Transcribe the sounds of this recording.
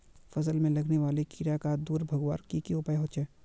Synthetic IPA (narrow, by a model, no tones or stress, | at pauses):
fɐsəlmẽlɐɡneʋaːlekɪɾjakad̪uːɾbʱɐɡʋa̰ːɾkikiʊpaːjɦoːt͡ʃʰɛː